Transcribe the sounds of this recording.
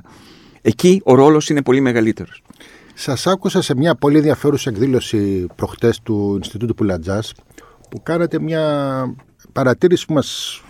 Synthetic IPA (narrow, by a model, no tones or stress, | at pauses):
e̞cio̞ɾo̞lo̞sine̞po̞lime̞ɣɐlit̪e̞ɾos | sɐsɐkusɐse̞mɲɐpo̞lie̞nðiɐfe̞ɾusiekðilo̞sipɾo̞xt̪e̞st̪uinst̪it̪ut̪u̥pulɐd͡zɐs | pukɐnɐt̪e̞mɲɐ | pɐɾɐt̪iɾisi̥pumɐs